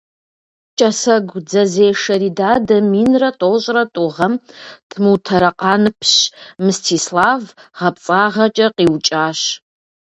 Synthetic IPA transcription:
t͡ʃʼɐsɐɡʷd͡zɐzeːʂɐɾiːdaːdɐmiːnrɐtʼowɕʼrɐtʼʊʁɐmtʰmuwtʰɐɾɐqɑːnɨpʰɕmɨstʰiːslaːvʁɐp̚t͡sʼaːʁɐt͡ʃʼɐqiːwt͡ʃʼaːɕ

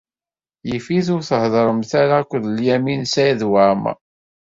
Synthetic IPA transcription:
jəfiθʊɾθəhðˤəɾˤəmθaɾakʷːðljæminsæjðwaʕmæ̰

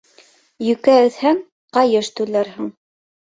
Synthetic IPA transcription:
jɵ̆kæɵ̆θhæŋ | qɑjɤʃt̪ʉlæɾɦɘɴ

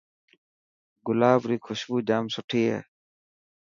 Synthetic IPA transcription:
ɡʊlaːbɾiːkʰʊɕbuːd͡ʑaːmsʊʈʰiːḛː

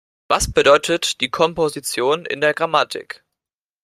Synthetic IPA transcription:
vasb̥ədɔʏtʰətd̥iːkʰɔmpozit͡sjoːnɪ̰ndeːɐɡʁamatʰɪ̰k

